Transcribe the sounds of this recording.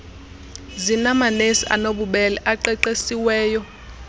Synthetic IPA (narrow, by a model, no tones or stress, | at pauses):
zinamanesiʔa̰noɓuɓɛlɛʔaǃɛǃesiwɛːjɔ